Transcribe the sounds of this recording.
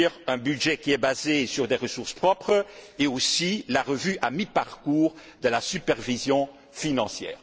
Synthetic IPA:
ʁɛ̃byd̪ʒɛkʲiɛbazesyʁd̪eʁəsuʁspχɔpχəeosilaʁəvyʔamipaʁkuːʁd̪əlasypɛʁvizjɔ̃ | finɑ̃sjɛ̰ːʁ

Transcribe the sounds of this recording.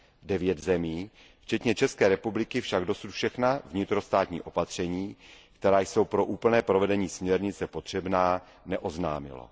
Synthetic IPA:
dɛvjɛt̪zɛmiː | ft͡ʃɛt̪ɲɛt͡ʃɛskɛːɾɛpublɪkɪfʃaɡdo̞sut̪fʃɛxnavɲɪt̪ɾo̞st̪aːt̪ɲḭːʔo̞pat̪r̝̥ɛɲiːkt̪ɛɾaːjso̞wpɾo̞ʔuːpl̩nɛːpɾovɛdɛɲiːsmɲɛɾɲɪt͡sɛpo̞t̪r̝̥ɛbnaː | nɛʔo̞zna̰ːmɪ̰lo̰

